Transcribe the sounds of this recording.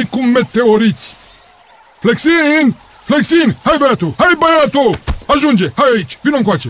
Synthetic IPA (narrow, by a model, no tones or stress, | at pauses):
jkumːet̪ːeoɾit͡s | fleksin | fleksinhajbɛat̪ohajbajat̪oaʒund͡ʒehajait͡ʃvinoŋkwat͡ʃe